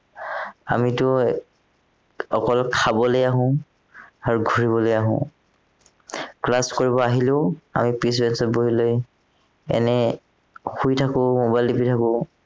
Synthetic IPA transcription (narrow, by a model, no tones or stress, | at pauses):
a̰mitʊ | ɔkɔlkʰabɔlojaɦʊ̃ | aɹuɡʱuɹiβɔlojaɦʊ̰̃ | klaskoɹibɔaɦilʊʊa̰mipis̬bɛnsɔt̚boɦiloj | ɛ̰nɛ | xujtʰakʊ̃mobajldipitʰakʊ